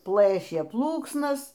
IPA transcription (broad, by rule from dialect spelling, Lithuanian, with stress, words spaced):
ˈplˠɘʃʲeː ˈplˠuːksnɐs